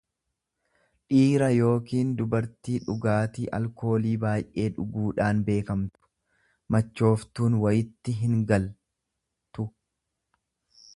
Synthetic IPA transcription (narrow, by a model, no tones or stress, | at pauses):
ᶑiːɾɐjo̞ːkiːnd̪ʊbɐɾt̪iːᶑʊɡaːt̪iːʔɐ̰lko̞ːliːbaːjʔe̞ːᶑʊɡuːᶑaːnbe̞ːkɐmt̪ʊ̥ | mɐt͡ʃːo̞ːft̪uːnwɐjɪt̪ːɪɦɪŋɡɐl | t̪ʊ